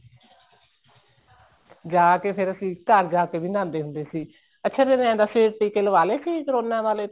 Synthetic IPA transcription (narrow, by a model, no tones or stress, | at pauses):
d͡ʒaːkeːpʰɪɾəsĩːkəɾd͡ʒaːkeːbiːnãːnd̪eːɦʊnd̪eːsiː | ətːʃʰaːd̪enãːd̪aːseːɾʈiːkeːləʋaːleːsiːkəɾoːnãːʋaːleː